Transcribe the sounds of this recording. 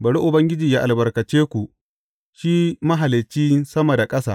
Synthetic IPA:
bɐ˨ɽu˦ʔʊ˨bɐ˦ŋɡʲɪ˦d͡ʒiː˨jaː˦ʔa˨lbɐ˨rkɐ˨t͡ʃeː˦kʷu˨ʔ | ʃiː˦mɐ˦ɦa˨lɪ˨t͡ʃːiː˦sɐ˦mɐ˨da˨kʼɐ˦saː˨

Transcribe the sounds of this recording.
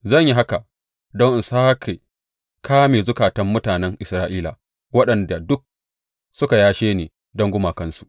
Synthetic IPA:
zɐ˦˨ɲji˦ɦa˦ka˨ | dɔ˦ŋʔsaː˦kʰe˨ | kʰaː˦meː˨zʊ˦kaː˨tɐ˦mːʊ˦taː˨nɛ˦ŋʔɪ˨sɾaː˦ʔiː˦la̰ː˨ | wɐ˦ɗɐ˨nda˨dʊ˦k̚ | sʊ˦ka˨jaː˦ʃeː˦neː˨ | dɐ˦ŋɡʷʊ˦maː˨kɐ˦nsu̥˨ʔ

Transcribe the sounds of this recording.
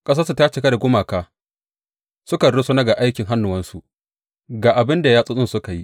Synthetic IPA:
kʼɐ˦s̬ɐ˦su˨ta˦t͡ʃɪ˦ka˦da˨ɡʷʊ˦maː˨kaː˦ | sʊ˦kɐ˨nɽʊ˦sʊ˦na˦ɡa˨ʔa˦jkʲɪ˨ŋɦa˦nːʊ˨wɐ˦nsu˨ | ɡaː˨ʔa˨bɪ˦nda˨jaː˦sʼʊ˦sʼʊ˦˨sʊ˦ka˨ji˦ʔ

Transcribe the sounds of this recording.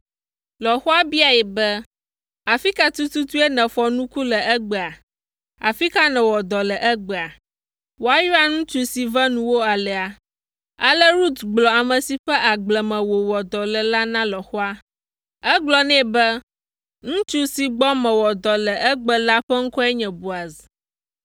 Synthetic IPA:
lɔ˨xɔ˦a˦bi˦a˨jɛ˨bɛ˦ | a˨fi˦ka˦t̪u˦t̪u˦t̪u˦ɛ˦nɛ̃˨fɔ˨nũ˦ku˦lɛ˨ɛ˦ɡ͡bɛ˨a˨ | a̰˨fi˦ka˦nɛ̃˨wɔ˨d̪ɔ˨lɛ˨ʔɛ˦ɡ͡bɛ˨a˨ | wo˨a˨ju˦a˦ŋũ˦t͡ʃu˦si˨vɛ˦nũ˦wo˦a˨lɛ˨a˨ | a˦lə˦ɾu˦t̪ɡ͡blɔ˨a˨mə̃˨si˨ɸɛ˦ʔa˨ɡ͡blɛ˨mɛ̃˨wo˨wɔ˨d̪ɔ˨lɛ˨la˦nã˦lɔ˨xɔ˦a˦ | ɛ˦ɡ͡blɔ˨nɛ̃˦˨bɛ˦ | ŋũ˦t͡ʃu˦si˨ɡ͡bɔ˦mɛ̃˨wɔ˨d̪ɔ˨lɛ˨ʔɛ˦ɡ͡bɛ˨la˦ɸɛ˦ŋ̩˦kɔ˦ɛ˦ɲɛ̃˨bu˨a˨zi˨

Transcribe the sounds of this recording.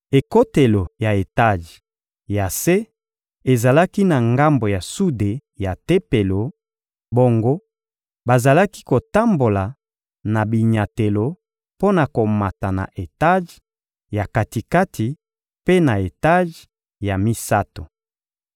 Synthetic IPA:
e˨ko˦te˨lo˨ja˨e˨ta˦˨ʒ | ja˨se˦ | e˨za˨la˦ki˦na˨ŋɡa˦mbo˨ja˨su˦de˨ja˨te˦pe˨lo˨ | bo˦ŋɡo˦ | ba˨za˨la˦ki̥˦ko˨ta˦mbo˨la˨ | na˨bi˨ɲa˨te˨lo˨ | po˦na˨ko˨ma˨ta˨na̰˨ʔe˨ta˦ʒ | ja˨ka˨ti˨ka˦tʰi˨ | pe˦na˨e˨ta˦ʒ | ja˨mi˦sa˦to˨

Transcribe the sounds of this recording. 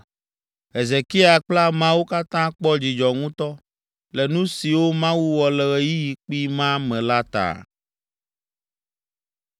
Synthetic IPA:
ɦe˨ze˨ki˦a˨k͡pla˦mã˦wu˦ka˦t̪ã˦k͡pɔ˦d͡ʑi˨d͡ʒɔ˨ŋũ˦t̪ɔ˦ | lɛ˨nũ˦si˨wo˦mã˦wu˦wɔ˨lɛ˨ɣe˨ji˦ji˨k͡pi˦mã˦mɛ̃˨la˦t̪a̰˨

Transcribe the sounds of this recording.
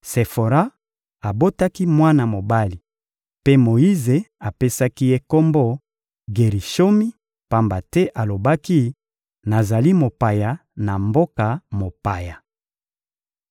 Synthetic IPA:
se˨fo˨ʁa˦ | a˨bo˦ta˦ki˦mwa˦na˨mo˨ba˦li˨ | pe˦mo˨i˦ze˨a˨pe˦sa˦ki˦je˦ko˦mbo˦ | ɡe˨ʁi˨ʃo˦mi˦ | pa˦mba˨tɛ˦ʔa˨lo˨ba˦ki˦ | na˨za˨li˦mo˨pa˨ja˨na˨mbo˦ka˨mo˨pa˨ja˨

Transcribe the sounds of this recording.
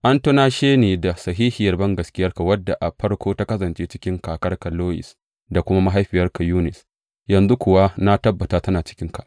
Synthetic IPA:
ʔa˦nto˦naː˦ʃeː˦neː˨da˨sɐ˨ɦiː˦hɪ˨jɐ˨rbɐ˦ŋɡɐ˨skʲɪ˦jɐ˦rka˨wɐ˦dːa˨ʔa˨ɸɐ˦rkʷoː˦ta˦kɐ˦sɐ˨nt͡ʃeː˦t͡ʃɪ̥˦kʲɪ˦ŋkaː˨kɐ˦rka˨loː˦ʔɪ̰˨s | da˨kʷʊ˦ma˦ma˦ɦa˦jɸɪ˨jɐ˦rka˨juː˦nɪ˨s | jɐ˨nzu˦kʷʊ˨wa˦na˦tɐ˦bːɐ˨ta˨tɐ˦naː˨t͡ʃɪ̥˦kʲɪ˦ŋka˨ʔ

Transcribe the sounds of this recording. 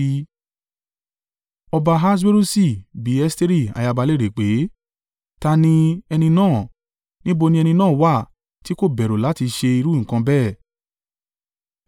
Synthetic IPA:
ɔ˧ba˧ɦa˦s̬we˦ɾu˦si˦˨bi˨˦ɛ˦ste˦ɾi˦˨a̰˨ja˧ba˧le˦ɾe˨k͡pe˨˦ | ta˧nĩ˧ɛ˧nĩ˧nãː˦˨ | nĩ˦bo˧nĩ˧ɛ˧nĩ˧nãː˦˨˦wa˦˨ | ti˨˦ko˦˨bɛ˨ɾo˨la˨˦ti˧ʃe˧i˧ɾu˦ŋ̩̃˨kã˧bɛː˦˨

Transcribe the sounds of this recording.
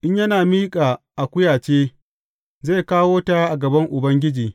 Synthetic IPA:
ʔɪ˦ɲjɐ˦naː˨miː˦kʼaː˨ʔa˨kʷʊ˦jaː˨t͡ʃeː˦ | zaː˦˨kaː˦woː˦taː˦ʔa˨ɡɐ˨bɐ˦ŋʔʊ˨bɐ˦ŋɡʲɪ˦d͡ʒiː˨

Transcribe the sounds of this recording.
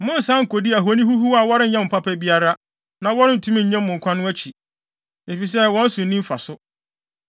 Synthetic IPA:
mʊ̃˦n̩˨sã˦ŋ̩˨ko˨di˦æ˨ɦo˦nĩ˦ɦu˦ɦu˦a˨wɔ˦ɾɪ̃˦n̩˦ɲɛ̃˦m̩˨pʰa˦pʰɛ˦bi˦a˦ɾa˦ | nã˨wɔ˦ɾɪ̃˦n̩˨tʰũ˦mĩ˦ɲ̩˨ɲɛ̃˦mː˦mʊ̃˨ŋ̩˨kʷʰã˦nʊ̃˦æ˦t͡ɕʰi˨ | e˨fi˨s̬ɛ˦wɔ̃˦n̩˦sʊ̃˨nĩ˦m̩˦fa̰˨sʊ˦

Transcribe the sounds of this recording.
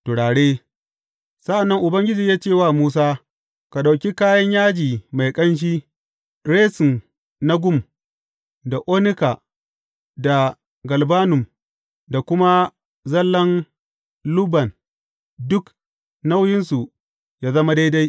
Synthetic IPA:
tʊ˨ɽaː˨ɽeː˦ | sɐ˦ʔa˨nːɐ˦ŋʔʊ˨bɐ˦ŋɡʲɪ˦d͡ʒi˨jaː˦t͡ʃe˦˨waː˦˨muː˦s̬aː˦ | ka˨ɗa˨kʲi˦kaː˦jɐ˦ɲjaː˦d͡ʒiː˨ma˨jkʼɐ˦nʃ̬iː˦ | ɾeː˦sɪ˨n | na˦ɡʷʊ˦˨m | da˨ʔoː˦nɪ˦ka˨ | da˨ | ɡɐ˨lbaː˦nʊ˨m | da˨kʷʊ˦ma˦ | zɐ˦lːɐ˦n | lʊ˦bɐ˨n | dʊ˦k | na˦wjɪ˦nsu˨ | jaː˦zɐ˦ma˦da˦jda˦j

